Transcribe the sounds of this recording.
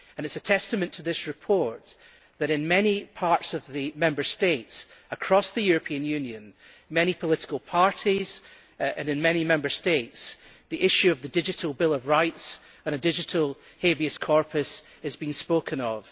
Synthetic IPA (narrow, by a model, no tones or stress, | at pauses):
ə̃nɨtsətʰɛstəmə̃ntʰəðɪsɹɪpʰɔɹʔ | ðəɾɪ̃nmɛnipʰaɹtsəvðɨmɛ̃mbə˞stetsəkʰɹ̥ɔsðɨjʉɹəpʰĩə̃njʉ̃njɨ̃n | mɛñipʰəlˠɪʔɪ̥kəlˠpʰaɹʔiz̥ | ɨ̃nɨ̃nmɛnimɛ̃mbə˞stets | ðiʔɪʃʉəvðədɪd͡ʒɪʔəlˠbɪlˠəvɹaɪts | ə̃nədɪd͡ʒɪʔəlˠ | hebiɨskʰɔɹpʰəs | ɨzbĩŋspokʰə̃nəv̥